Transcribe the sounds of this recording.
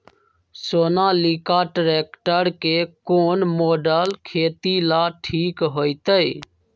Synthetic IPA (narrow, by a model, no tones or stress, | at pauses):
soːnalikaʈɾeːkʈəɾkekoːnmoːɖəlkʰeːt̪ilaʈʰiːkɦoːjt̪əj